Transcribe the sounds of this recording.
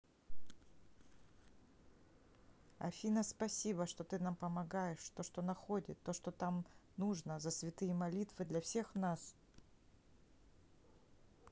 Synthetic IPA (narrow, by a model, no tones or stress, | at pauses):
ɐ̰fʲinəspɐsʲibəʂt̪o̞t̪ɨnampəmɐɡajɪʂt̪o̞ʂt̪o̞nɐxodʲɪt̪ːo̞ʂt̪o̞t̪amnuʐnəzəsvʲɪt̪ɨjəmɐlʲit̪vɨd̪lʲɐfsʲe̞xnas